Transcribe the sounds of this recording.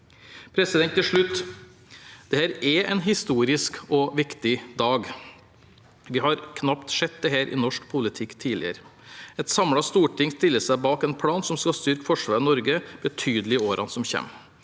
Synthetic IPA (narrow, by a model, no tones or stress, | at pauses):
pʰɾɛsɪd̪ɛnt̪ːɪlʂɭʉt̪ː | d̪̥ɛhæːɾɛɛ̰nɦɪst̪uːɾɪskɔʋɪkt̪ɪd̪ɑːɡ | ʋɪɦɑɾkʰnɑpt̪ʂɛt̪̚d̪ɛɦæːɾʔɪ̰nɔʂkpʰʊlɪt̪ʰɪkːt̪ʰiːlɪ̰ə̰ɾɛt̪sɑmɽɑst̪uːʈɪŋst̪ɪlːəsæɪbɑːkɛnpʰɽɑːnsɔmskɑst̪ʏɾkfɔʂʋɑːɾnɔɾɡəb̥ət̪ʰyːd̪əl̩ɪoːɾʔɑnsɔmçɛ̰ːm